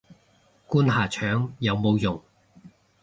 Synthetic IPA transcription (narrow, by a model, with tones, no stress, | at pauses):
kuː˥nɦaː˨t͡ʃʰœː˨˥ŋjɐ˨˧wmo˨˧wjʊ˨˩ŋ